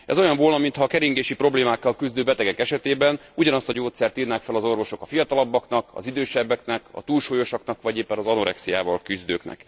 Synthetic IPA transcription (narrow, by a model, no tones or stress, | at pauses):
ɛ̰zo̞jɒɱvolnɒmint̪ʰhɒːkɛɾiŋɡeːʃipro̞bleːmaːkːɒlkyzd̪øːbɛt̪ɛɡɛkɛʃɛt̪eːbɛnuɟɒnɒst̪ɒɟoːt̪sɛrt̪iːrnaːkfɛlɒzo̞rvo̞ʃo̞kɒfijɒt̪ɒlɒbːɒknɒkɒ̰zid̪øːʃɛbːɛknɛkɒ̰t̪uːlʃoːjo̞ʃɒknɒkʋɒɟeːpːɛnɒzɒnoɾɛ̰ksija̰ːvɒlkyzd̪øːknɛ̰k